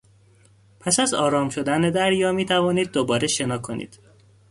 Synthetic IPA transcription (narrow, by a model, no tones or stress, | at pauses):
pʰæsæzɒːɾɒːmʃo̞d̪æne̞d̪æɾjɒːmiːt̪ʰævɒːniːd̪̚ːobɒːɾeʃe̞nɒːkʰo̞nḭːd̪̥